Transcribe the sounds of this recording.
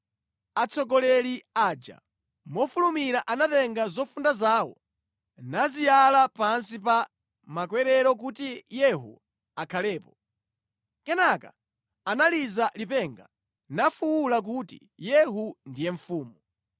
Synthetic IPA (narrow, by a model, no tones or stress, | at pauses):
at͡sʰɔɡɔlɛliaːd͡ʒa̰ | mɔfulumiɾaʔanatɛŋɡazɔfundazaːwɔ̰ | nazijalapans̬ipa | makwɛɾɛɾɔk̬utijɛɦṵ | akʰalɛːpɔ | kɛnaka̰ | analizalipɛŋɡa | nafuwulak̬utḭ | jɛɦundijɛɱfuːmu